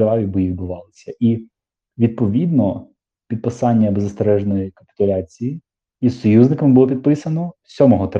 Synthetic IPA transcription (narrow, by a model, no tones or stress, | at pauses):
ɾɑʋʲibʊjʋʲid̪̚bʊʋɑlˠɪsʲɐʔi | ʋʲid̪̚pɔʋʲid̪nɔ | pʲid̪̚pɪsɑnʲːɐbezːɐst̪eɾɛʒnɔjikɐpʲɪ̥t̪ʊlʲat͡sʲiji | isɔjuznɪkɐmbʊlɔpʲid̪̚pɪsɐnɔsʲɔmɔɦɔt̪